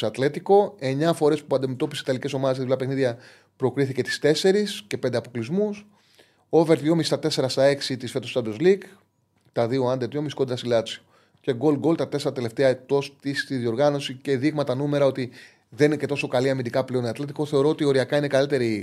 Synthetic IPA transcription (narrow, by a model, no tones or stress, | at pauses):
ɐt̪le̞t̪iko̞e̞ɲɐfo̞ɾe̞spuɐnd̪ime̞t̪o̞piseit̪ɐlice̞so̞mɐðeseiulɐpexniðʝɐ | pɾo̞kɾiθice̞t̪i̥st̪e̞se̞ɾisce̞pe̞nd̪eɐpo̞klizmus | o̞veɾt̪jo̞mist̪ɐt̪e̞se̞ɾɐst̪ɐe̞ksit̪isfe̞t̪ost̪ɐnd̪ozliɡ | t̪ɐðioɐnd̪et̪jomisko̞d̪ɾɐsilɐt͡sio | ce̞ɡo̞lɡo̞lt̪ɐt̪e̞se̞ɾɐt̪e̞le̞ft̪eɐt̪o̞st̪ist̪iðio̞ɾɣɐno̞sice̞ðiɣmɐt̪ɐnume̞ɾɐo̞t̪i | ðe̞ninece̞t̪o̞so̞kɐliɐmind̪ikɐpleo̞niɐt̪let̪iko̞θe̞o̞ɾoot̪io̞ɾiɐkɐine̞kɐlit̪e̞ɾi